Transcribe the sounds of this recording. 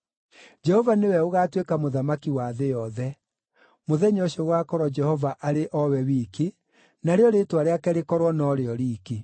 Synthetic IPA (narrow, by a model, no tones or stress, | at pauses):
d͡ʒɛhɔvanewɛoɣaːtwekamoðamakiwaðejɔðɛ | moðɛɲɔɕoɣwaːkɔɾɔd͡ʒɛhɔvaʔaɾeʔɔwɛwiːke | naɾeɔɾeːtwaɾeakɛɾekɔɾwɔnɔɾeɔɾiːke